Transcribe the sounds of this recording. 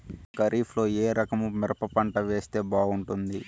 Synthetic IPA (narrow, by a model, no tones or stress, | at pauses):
kɐɾʔiːflo̞ːeːɾɐkɐmumɛɾɐpɐpɐɳʈɐʋe̞ːst̪e̞ːbaːɡuɳʈund̪i